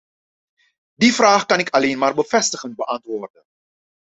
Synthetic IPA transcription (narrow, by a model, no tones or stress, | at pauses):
difraːχkɑnɪkʰɑleːnmaːrbəfɛstəχənt̚bəʔɑntʋoːrdən